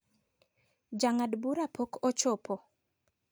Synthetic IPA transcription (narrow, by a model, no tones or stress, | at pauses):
d͡ʒaŋadbuɾapʰokʰɔt͡ʃɔpʰɔ